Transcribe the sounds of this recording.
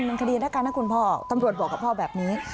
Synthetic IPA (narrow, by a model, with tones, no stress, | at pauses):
nmɯ˧ŋkʰa˧diː˧nɾa˦˥kːaː˧nːa˦˥kʰu˧npʰɔː˥˩t̪a˧mɾu˨˩ət̪̚bɔː˨˩kːa˨˩pʰɔː˥˩bɛː˨˩p̚niː˦˥